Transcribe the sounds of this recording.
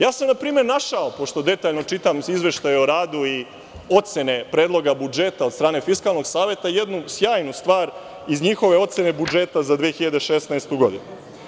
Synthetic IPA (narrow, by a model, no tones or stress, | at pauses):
jaːsamnapɾiːme̞ɾnaʃaopo̞ʃt̪o̞d̪e̞t̪aːʎno̞t͡ʃit̪amizʋe̞ʃt̪ajeoɾaːd̪ui | o̞t̪se̞ne̞pɾe̞ːd̪lˠo̞ɡabud͡ʒe̞t̪ad̪st̪ɾaːne̞fiskaːlˠno̞ɡsaːʋe̞t̪ajed̪nusjaːjnust̪ʋaːɾ | izɲixo̞ʋe̞o̞t̪sene̞bud͡ʒe̞t̪azad̪ʋiexiʎad̪e̞ʃesnaest̪uɡo̞d̪inu